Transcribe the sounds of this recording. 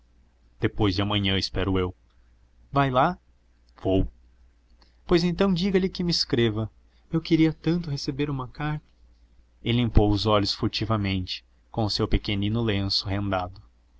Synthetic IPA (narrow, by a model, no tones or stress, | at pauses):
d̪̥epojzd͡ʒɪɐmɐ̃ɲɐ̃ɪspɛɾʊew | vajla | v̥ow | pojzẽnt̪ɐ̃w̃d͡ʒiɡɐlɪkɪmɪiskɾevɐ | ewkeɾiɐt̪ɐ̃nt̪ʊɦesebeɾũmɐkaɾt̪ɐ̥ | ɪlĩmpowʊzɔʎʊsfuɾt͡ʃivɐmẽnt͡ʃɪ̥ | kõʊsewpekenĩnʊlẽsʊɦẽnd̪ad̪ʊ